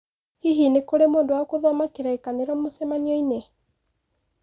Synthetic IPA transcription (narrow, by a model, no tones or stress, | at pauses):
hiɦinekoɾemoːndowaɔkoðɔmakeɾaekaneɾɔmosɛmaniɔine